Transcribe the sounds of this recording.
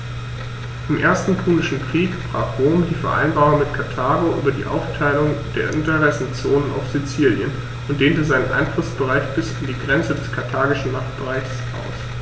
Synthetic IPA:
ʔɪmʔḛːɐstn̩pʰuːlɪʃn̩kʁ̥iːkb̥ʁ̥aːχʁ̥oːmdiːfɛɐʔa̰ɪnbaːʁʊŋmɪtkʰatʰaːɡoʔy̰ːbɐdḭːʔa̰ʊftʰaɪlʊŋd̥eːɐʔɪntəʁɛsn̩t͡soːnəna̰ʊfz̥it͡siːljən | ʔʊnt̚d̥eːntəzaɪnənʔa̰ɪnflʊsb̥əʁaɪt͡sb̥ɪsandiːɡʁɛnt͡sədɛskʰaɐtʰaːɡɪʃn̩maχtb̥əʁaɪç̥sʔa̰ʊs

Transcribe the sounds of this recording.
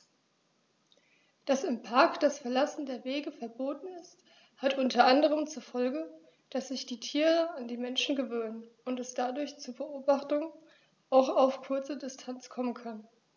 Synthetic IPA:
d̥asɪmpʰaɐkd̥asfɛɐlasn̩deːɐveːɡəfɛɐboːtn̩ɪst | hatʔʊntɐʔandəʁ̞əmt͡suɐfɔlɡə | d̥asz̥ɪçd̥iːtʰiːʁəandiːmɛnʃn̩ɡəvøːnənʊntɛsd̥adʊɐçt͡suːɐbəʔoːbaχtʊŋ | ʔaʊxaʊfkʰʊɐt͡sədɪstʰant͡skʰɔmənkʰan

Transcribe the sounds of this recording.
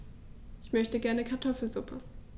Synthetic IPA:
ʔʔɪçmœçtəɡɛɐnəkʰaɐtʰɔfl̩zʊpʰə

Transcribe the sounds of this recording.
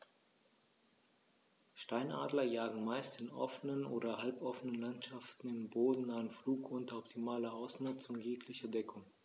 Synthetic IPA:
ʃtaɪnʔa̰ːdlɐjaːɡŋ̩maɪstɪnʔɔ̰fənənʔoːdɐhalpʔɔfənənlantʃaftn̩ɪmboːdn̩naənfluːkʰʔʊntɐɔptʰimaːlɐʔaʊsnʊt͡sʊŋjeːklɪçɐdɛkʰʊŋ

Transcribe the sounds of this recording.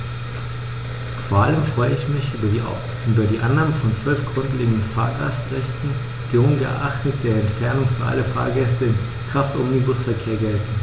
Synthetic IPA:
foːɐʔaləmfʁ̥ɔʏəɪçmɪç | yːbɐdiːʔanːaːməfɔnt͡sv̥œlfɡ̥ʁʏntleːɡŋ̩dən̩fa̰ːɐɡastʁɛçtn̩ | ɡ̥əʊŋɡə̰ʔaχtət̚d̥eːɐɛntfɛɐnʊŋfyɐʔa̰ləfa̰ːɐɡɛstəɪm | kʁ̥aftʊmnibʊsfɛɐkʰeːɐɡɛltn̩

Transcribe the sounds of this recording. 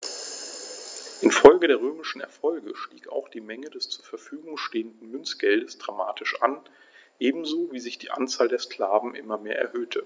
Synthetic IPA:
ʔɪnfɔlɡədeːɐʁ̞øːmɪʃn̩ɛ̰ɐfɔlɡəʃtḭːka̰ʊxd̥iːmɛŋədɛst͡suːɐfɛɐfyːɡʊŋʃteːəndn̩mʏnt͡sɡ̥ɛldəsd̥ʁamaːtʰɪʃʔa̰n | ʔeːbm̩zoːviːzɪçd̥iːʔa̰nt͡saːldeːɐskl̥aːvn̩ʔɪmɐmeːɐʔɛ̰ɐhøːtʰə

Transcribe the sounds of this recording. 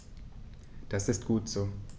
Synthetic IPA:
d̥asɪstɡ̥uːtz̥oː

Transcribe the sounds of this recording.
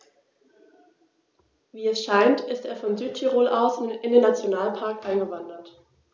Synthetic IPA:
viːɛsʃaɪntɪsteːɐfɔnzyːt̚tʰiʁoːlʔaʊsnɪndeːnːat͡sjonaːlpʰaɐkʔaɪnɡəvandɐt

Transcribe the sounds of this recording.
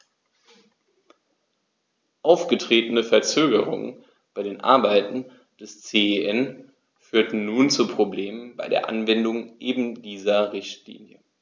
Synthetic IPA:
ʔaʊfɡ̥ətʁ̥eːtənəfɛɐt͡søːɡəʁ̞ʊ̰ŋə̰n | b̥aɪɾeːnʔa̰ɐbaɪtn̩ | d̥ɛst͡seːeʔɛn | fyːɐtn̩nuːnt͡supʁ̥obleːmənbaɪdeːɐʔanvɛndʊŋʔeːbm̩diːzɐʁɪçtlḭːnjə

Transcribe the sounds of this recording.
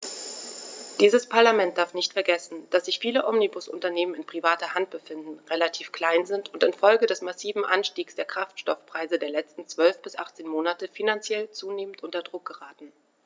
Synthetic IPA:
d̥iːzəspʰaɐlamɛnt̚d̥aɐfnɪçtfɛɐɡɛsn̩d̥asz̥ɪçfiːləʔɔmnibʊsʔʊ̰ntɐneːmənɪnpʁ̥ivaːtɐhant̚b̥əfɪndn̩ʁelatʰiːfkl̥aɪnzɪntʊntɪnfɔlɡədɛsmasiːvm̩ʔanʃtiːksd̥eːɐkʁ̥aftʃtɔfpʁ̥aɪzədeːɐlɛt͡stn̩t͡sv̥œlfb̥ɪsʔaχt͡seːnmoːnatəfinant͡sjɛlt͡suːneːməntʔʊntɐdʁʊk̚ɡ̥əʁaːtn̩

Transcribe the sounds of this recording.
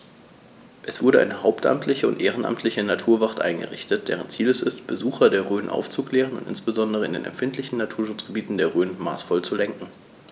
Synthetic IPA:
ʔɛsv̥ʊɐdəʔa̰ɪnəhaʊptʔa̰mtʰlɪçəʊ̰ntʔeːʁ̞ənʔa̰mtʰlɪçənatʰuːɐvaʁtʔa̰ɪnɡə̰ʁɪ̰çtət̚d̥ɛ̰ːʁənt͡siːlɛsɪstb̥əzuːxɐdeːɐʁøːnʔa̰ʊft͡suklɛːʁənʊ̰ntɪ̰nsb̥əzɔndəʁ̞əɪ̰ndḛːnɛ̰mfɪntʰlɪçn̩natʰuːɐʃʊt͡sɡ̥əbiːtn̩deːɐʁøːnma̰ːsfɔlt͡sulɛŋkŋ̩

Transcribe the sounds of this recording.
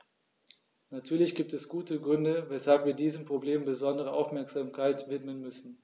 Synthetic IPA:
natʰyːɐlɪçɡ̥iːp̚tɛsɡ̥uːtəɡʁʏndəvɛshalpv̥iːɐdiːzəmpʁ̥obleːmbəzɔndəʁ̞əʔaʊfmɛɐkz̥aːmkʰaɪtvɪtmənmʏsn̩

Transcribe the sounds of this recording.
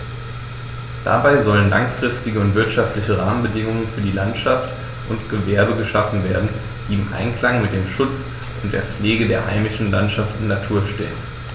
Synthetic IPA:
d̥a̰baɪzɔlənla̰ŋfʁ̥ɪstɪɡəʊntv̥ɪɐtʃaftlɪçəʁaːmənbədɪŋʊŋənfyːɐdiːlantʃaft | ʔʊntɡ̥əvɛɐbəɡəʃafn̩veːɐdn̩ | d̥iːɪmʔa̰ɪnkl̥aŋmɪt̚d̥eːmʃʊt͡s | ʊnt̚d̥eːɐp͡fleːɡədeːɐha̰ɪmɪʃn̩lantʃaftɪnːatʰuːɐʃtḛːən

